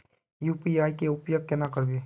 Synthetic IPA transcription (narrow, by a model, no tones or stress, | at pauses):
jupiaːjkeʊpjoɡ̚kenakəɾbe